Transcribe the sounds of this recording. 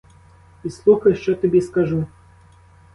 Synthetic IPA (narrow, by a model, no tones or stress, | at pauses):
islˠuxɐjʂt͡ʃot̪ɨbʲeskaʐu